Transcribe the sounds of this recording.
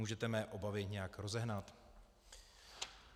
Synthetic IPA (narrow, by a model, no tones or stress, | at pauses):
uːʒɛt̪ɛmɛːʔo̞bavɪɲɛjakɾo̞zɛɦnat̪